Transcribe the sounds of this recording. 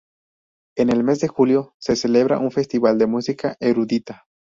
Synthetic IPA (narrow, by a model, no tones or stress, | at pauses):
e̞ne̞lme̞zd̪e̞xuljose̞se̞le̞β̞ɾa̰ʔunfe̞st̪iβald̪e̞musikaʔeɾuðit̪a